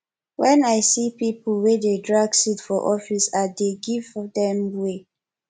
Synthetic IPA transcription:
wɛ̃naɪsipipəlwededɹaɡsitfɔʔɔfisadeɡivdɛ̃mwe

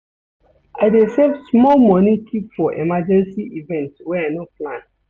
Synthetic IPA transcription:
aɪdesevsmɔlmɔnikʰipfɔʔemad͡ʒɛ̃nsiʔivɛ̃ntwɛaɪnoplãn

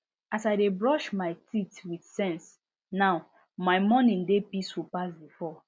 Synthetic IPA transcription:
asaɪdebɹɔʃmaɪtitwid̥sɛ̃ns | naʊ | majmɔnĩndepiswipasbifɔ

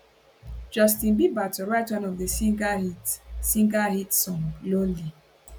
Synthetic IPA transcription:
d͡ʒɔstĩnbibatɔɹaɪtwãnɔvðəiɡahitsĩŋɡahitsɔ̃ŋɡloli

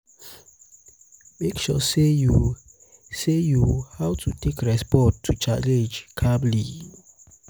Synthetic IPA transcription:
mekʃɔ̰seju | sejuhawtʰutʰekɹɛspɔtʰːut͡ʃalɛ̃nd͡ʒkʰabli

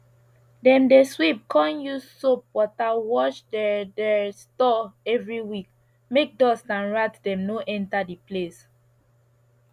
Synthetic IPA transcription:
dɛ̃mdeswip̚kʰɔ̃njussop̚wɔtawɔʃdɛdɛstɔɛvɹiwik | mek̚dɔsãnɹatdɛ̃mnoʔɛ̃ntadiples

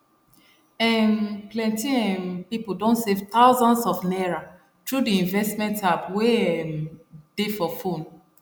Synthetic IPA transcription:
ɛmklɛ̃ntĩɛ̃npipudõnsevt̪aʊzɔ̃nsɔfnɛɹa | tɹudiĩnvɛstmɛ̃ntapweɛmd̥efɔfõn

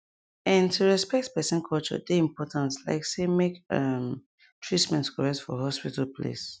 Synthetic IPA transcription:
ãntʰuɹɛspɛk̚tpɛsə̃nkʰɔlt͡ʃɔ̰deĩmpɔtãnsla̰ɪksemekʌm | tʰɹitmɛ̃ntkʰɔɹɛk̚tfɔɦɔspitalpʰlḛs

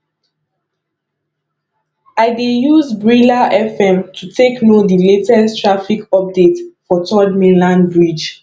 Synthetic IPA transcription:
aɪdejuzbɹilaʔɛfɛ̃mtʰutʰeknodiletɛstʰɹafikɔp̚detfɔtʰɔdmelãnbɹid͡ʒ

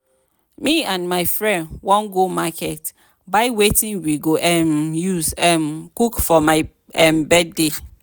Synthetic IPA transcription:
miãnmaɪfɹɛ̃ndwɔ̃nɡomakɛt | baɪwetĩnwiɡoʔɛmjuzɛmkukfɔmaɪ | ɛmbɛd̚de

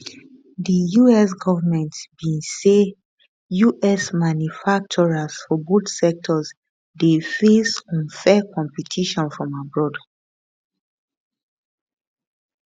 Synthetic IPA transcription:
dijuɛs̬ɡɔvamɛ̃ntbĩnse | juʔɛsmãnjufak̚t͡ʃɔɹasfɔbotsɛk̚tʰɔz | defesɔ̃nfɛkɔ̃mpɛtʰiʃɔ̃nfɹɔ̃mabɹɔd

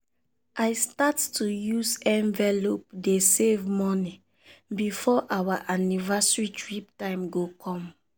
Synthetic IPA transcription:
aɪstattujuzɛ̃nvɛlop̚desevmɔni | bifɔʔawaʔanivasɹitɹiptãɪ̃mɡokʰɔ̃m

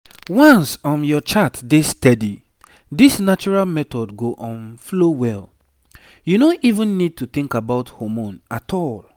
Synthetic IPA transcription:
wɔ̃nsɔ̃njɔt͡ʃatdestɛdi | disnat͡ʃuɹalmɛt̪ɔdɡoʔɔ̃nflowɛl | junoʔivũnːid̚tuθĩŋkabaʊthomõnatʰɔl

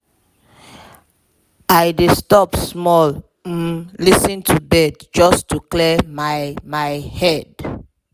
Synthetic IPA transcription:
ajdestɔpsmɔl | m̩lisĩntʰubɛdd͡ʒɔstuklɛmajmajhɛd

